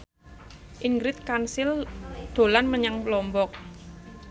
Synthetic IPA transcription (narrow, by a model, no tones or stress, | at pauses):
ʔiŋɡɾɪt̪̚kansɪld̪̥o̤lanməɲaŋplɔmbɔk̚